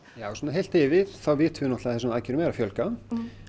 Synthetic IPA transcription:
jaːwsɔːnaɦejl̥t̪ɪːvɪðθawvɪːt̪vʏnɔht̪laθɛsʏmacɪɾʏmɛːɾafjœlka

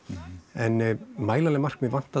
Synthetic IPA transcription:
ɛnmaːjlalɛmar̥kmɛvan̥t̪a

